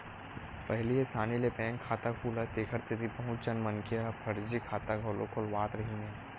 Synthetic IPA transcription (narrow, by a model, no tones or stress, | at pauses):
pɐɦliɦesaːnilepɛ̃ːŋkʰːaːt̪akʰuːlat̪eːkʰəɾt̪ɪt̪ipɐɦʊ̃t͡ʃənmɐnkijapʰɐɾd͡ʒikʰaːt̪aɡʱoːlo̰kʰolwaːt̪ɾɐɦinẽː